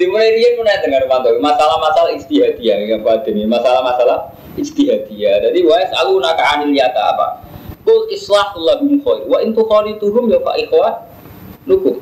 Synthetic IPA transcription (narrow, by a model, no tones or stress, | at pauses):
d̪̥imulaiɾiapunajaʔd̪əŋanumant̪ɔimasalahmasalahɪst̪iɦad̪ijajaŋkad̪anamasalahmasalah | ɪst̪iɦad̪iad͡ʒadiwaɛsalunakaanɪliat̪a̰ːpa̰kʊlʔɪslahulːabimuxɔirwaʔɪnt̪uxɔlit̪uɦʊmjawka̰ʔixwa | nukʊm